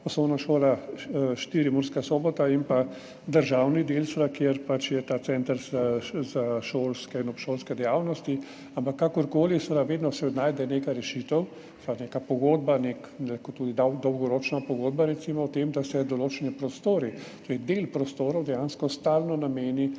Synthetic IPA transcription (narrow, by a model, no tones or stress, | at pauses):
pɔslɔwnaʃoːlaʃt̪iːɾimuɾskasɔːbɔt̪aimpa | d̪əɾʒawnid̪elst̪ɾakjeɾpat͡ʃjɛt̪aːt̪sɛnt̪əɾzazaʃoːlskɛinɔpʃoːlskɛd̪ɛjawnɔst̪i | ampakːakɔɾkoːlisʋɛd̪aʋeːd̪nɔsɛnajd̪ɛnekajɾɛʃit̪əw | saneːkapɔɡoːd̪̚banekɛlakɔt̪uːd̪id̪ad̪ɔwɡɔɾot͡ʃnapɔɡoːd̪baɾɛt̪simɔɔt̪emd̪asɛd̪ɔloːt͡ʃɛnipɾɔst̪oːɾit̪oɾɛjd̪elpɾɔst̪oːɾɔwd̪ɛjaːnskɔst̪aːlnɔnameːni